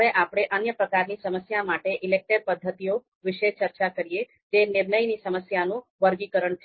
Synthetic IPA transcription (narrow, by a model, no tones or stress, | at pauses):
eʔapɽ̃eʔənjəpɾəkaɾnisəməsjamaʈeʔɪlek̚ʈəɾpəd̪ʱːət̪io | ʋɪʃet͡ʃəɾt͡ʃakəɾie | t̪enɪɾnəjnisəməsjanũʋəɾɡikəɾəɳt͡ʃʰ